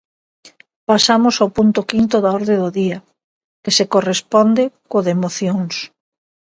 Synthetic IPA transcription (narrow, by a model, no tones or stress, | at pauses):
pasamʊsawpunt̪okint̪ʊðaɔɾðed̪oðia | kesekorespɔnd̪ɪkoðemoθjoŋs